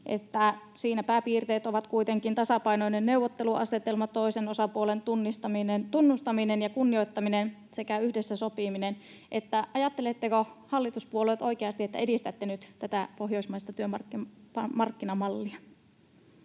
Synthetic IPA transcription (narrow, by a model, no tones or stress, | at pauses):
ʔḛt̪ːæsiːnæpæːpiːrt̪eːt̪oʋɑt̪kuit̪eŋkint̪ɑsɑpɑinoinenneuʋːot̪ːeluʔɑset̪elmɑt̪oisenosɑpuolent̪unːist̪ɑinnt̪unːust̪ɑminenjɑkunːioit̪ːɑminen | sekæyhdesːæsopiminen | ʔet̪ːæʔɑjɑt̪ːelet̪ːekohɑlːit̪uspuolet̪ʔo̞ikeɑst̪iet̪ːæ̰edist̪æt̪ːenyt̪t̪æt̪æpoɦjoismɑist̪ɑt̪yømɑkːpɑmɑrkːinɑmɑlːiɑ